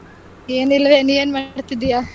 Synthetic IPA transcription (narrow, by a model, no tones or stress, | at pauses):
eːnilɐʋeːnieːnmaːɖt̪id̪ija